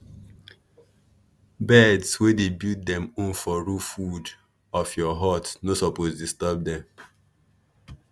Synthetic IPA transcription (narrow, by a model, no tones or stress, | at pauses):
bɛdswedebilt̚dɛ̃mũnfɔɹufud | ɔfjɔɦɔtnosɔposdistɛb̚dɛ̃m